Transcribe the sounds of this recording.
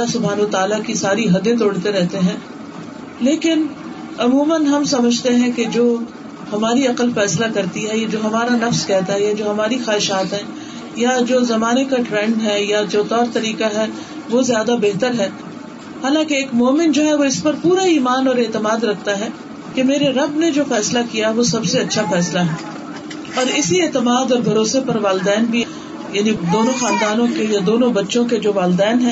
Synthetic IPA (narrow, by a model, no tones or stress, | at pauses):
lasʊbʱaːnɐɐt̪aːlakisaːɾiɦɐd̪ẽt̪̬oːɽt̪eɾɛɦt̪eɦɛ̃ː | leːkɪnɐmuːmənɦɐmsɐməd͡ʒʱt̪eɦɛ̃ked͡ʒoː | hɐmaːɾiɐqəlfɛːslakɐɾt̪iɦɛjad͡ʒoːɦɐmaːɾanɐfskɛɦt̪aɦɛjad͡ʒoːɦɐmaːɾixaːɦɪʃaːt̪ɦɛ̃ː | jad͡ʒoːzɐmaːnekaʈɾɛ̃ɳɖɦɛjad͡ʒoːt̪ɔːɾt̪ɐɾiːkaɦɛ | ʋozjaːd̪abeɦt̪əɾɦɛː | haːlãːkeːkmoːmɪ̃nʈd͡ʒoːɦɛʋoɪspɐɾpuːɾaiːmaːnɔːɾeːt̪əmaːd̪ɾɐk̚ʰt̪aɦɛ | kemeːɾeɾɐbned͡ʒoːfɛːslakijaʋosɐbseɐtːʃʰafɛːslaɦɛː | ɔːɾɪsieːt̪əmaːd̪ɔːɾbʱɐɾoːsepɐɾʋaːlɪd̪ɛːnbʱi | jaːnid̪oːnõxaːnd̪aːnõkejad̪oːnõbɐtːʃõked͡ʒoːʋaːld̪ɛːnɦɛ̃